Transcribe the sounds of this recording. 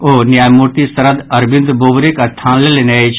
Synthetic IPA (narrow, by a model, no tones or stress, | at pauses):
oːnjaːjmuɾt̪isɐɾəd̪ɐɾbɪ̃nd̪boːbɾekɐst̪ʰaːnleleneet͡ʃʰ